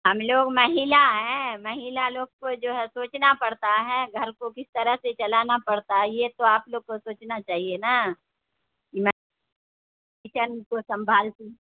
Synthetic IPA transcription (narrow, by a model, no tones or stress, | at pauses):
ɦɐmloːɡmɐɦiːlaɦɛ̃mɐɦiːlaloːɡ̚kod͡ʒoːɦɛsoːt͡ʃnapɐɽt̪aɦɛɡʱɐɾkokɪst̪əɾəɦset͡ʃɐlanapɐɽt̪aɦɛjet̪oaːploːɡ̚kosoːt͡ʃnat͡ʃaːɦiena | kimɛː | it͡ʃənkosɐ̃mbʱaːlt̪ĩː